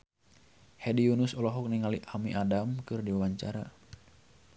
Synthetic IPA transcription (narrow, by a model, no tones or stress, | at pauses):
hediunusɔlɔɦɔk̚niŋaliʔamiʔadamkɨrdiwawaɲt͡ʃa̰ɾa̰